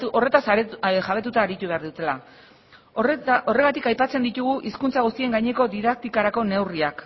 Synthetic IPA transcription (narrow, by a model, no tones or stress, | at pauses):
o̞re̞t̪assaβe̞t̪ut̪aːɾit̪uβ̞e̞aɾðut̪e̞la | o̞re̞ɣat̪ikajpat͡se̞nd̪it̪uɣ̞uʔiskunt͡saɣ̞ust̪ie̞ŋɡajɲe̞ko̞ðiðak̚t̪ikaɾako̞ne̞wriak